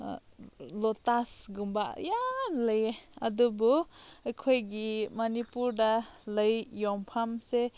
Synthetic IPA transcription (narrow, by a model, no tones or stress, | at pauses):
lɔtasɡumbajanləjeɐdubu | ajkʰojɡimɐnipuɾda | ləjjɔŋpʰamse